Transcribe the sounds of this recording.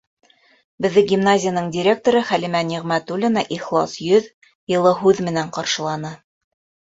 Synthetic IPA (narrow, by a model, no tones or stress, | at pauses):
bɘ̆ðːɘɡʲimnazʲɪjanɤɴdʲɪɾʲe̞k̚t̪oɾɤχælimæniʁmæt̪ulʲinɑʔiχlˠɑ̰sjɵð | jɤ̆lˠɤɦʉðmɘ̆næɴqɑɾʃɤ̆lˠɑnɤ